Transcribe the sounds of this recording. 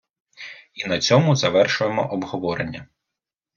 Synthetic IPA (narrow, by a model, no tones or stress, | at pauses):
inɐt͡sʲɔmʊzɐʋɛrʃʊjemɔ̰ʔɔbɦɔʋɔɾenʲːɐ